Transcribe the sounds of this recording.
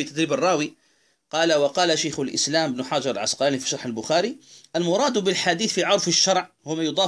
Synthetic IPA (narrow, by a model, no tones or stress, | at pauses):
it̪æd̪ɾiːbərˤːɑːwi | qɑːlawɑqɑːlaʃajxʊlʔɪ̰slæːmbnʊħad͡ʒɑɾˤlʕasqɑnifi̥ʃɑɾˤħəlbʊxæɾiʔælmʊɾˤɑːd̪bɪlħad̪iːθfiʕʊɾˤfəʃːɑɾˤʕ | hʊmæjʊd̪ˤɑː